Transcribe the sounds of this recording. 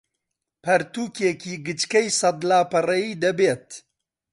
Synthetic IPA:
pʰɐɾt̪uːkekiːɡɨt͡ʃkɛjsɐd̪laːpɐrɐjiːd̪ɐbeːt̪

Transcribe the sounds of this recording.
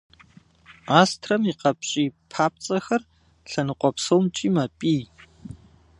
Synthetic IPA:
aːstʰrɐmiqɐpɕʼiːpʰaːp̚t͡sʼɐxɐr | ɬɐnɨqʷʼɔpsowmt͡ʃʼiːmɐpʼiː

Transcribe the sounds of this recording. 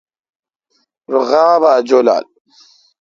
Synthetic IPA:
ɾɣaːβad͡ʒola̰l

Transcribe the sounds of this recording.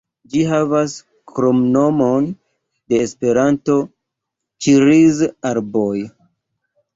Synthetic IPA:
d͡ʒiɦavas | kɾomno̞mo̞n | de̞ːspe̞ɾanto̞ | t͡ʃiɾizaɾboj

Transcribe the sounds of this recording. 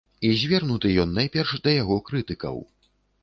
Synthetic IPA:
izʲvʲɛrnut̪ɨjɔnːajpʲɛrʂd̪ɐjaɣɔkɾɨt̪ɨkɐ̰w

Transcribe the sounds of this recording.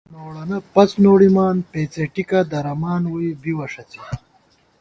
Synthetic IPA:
noːɽɐnɐpɐt͡snoːɽimaːnpeːt͡seʈikɐd̪ɐɾɐmaːnwuibiwɐʂɐt͡si

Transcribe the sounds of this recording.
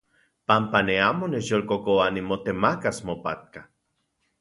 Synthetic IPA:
pampaneamonejolkokoanimot̪emakasmopat̪̚ka

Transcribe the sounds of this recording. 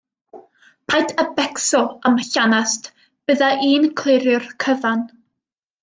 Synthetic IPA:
pʰajtʰəbɛksɔaməɬanast | b̥əðaʔiːnkʰlˠɪɾjʊrkʰəvan

